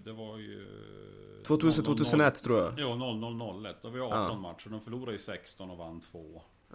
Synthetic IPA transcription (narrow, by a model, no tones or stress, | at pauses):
d̪ɛvaɾj̰ | t̪ʰvoːt̪ʰʉːsənt̪ʰvoːt̪ːsənɛt̪ːʰɾuːɾjajuːnɔlːnɔlːnɔlːɛt̪ːd̪ɛavɪjɑːɔnmaʈ̪ʂəɖ̪ɔmfœɭuːɾajəsɛkst̪ɔnɔvanːt̪ʰvoː